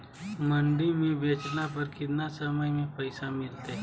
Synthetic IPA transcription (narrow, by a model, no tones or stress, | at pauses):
məɳɖiːmiːbʱet͡ʃnapəɾkit̪nasəməjmiːpəjsamilt̪e